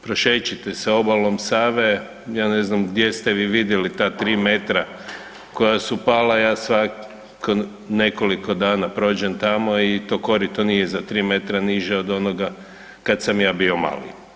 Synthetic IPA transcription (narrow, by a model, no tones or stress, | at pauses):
pɾoʃet͡ʃit̪eseo̞balˠo̞msaːʋe̞ | jaːne̞znamɡd̪jest̪eʋiʋid̪jelit̪aːt̪ɾiːme̞t̪ɾa | ko̞jasupaːlajaːsʋa | ko | ne̞koliko̞d̪aːnapɾo̞ːd͡ʑent̪amo̞it̪o̞ːko̞ɾit̪onijezat̪ɾiːme̞t̪ɾaniʒɛod̪o̞noɡa | kad̪samjaːbio̞ma̰ːlḭ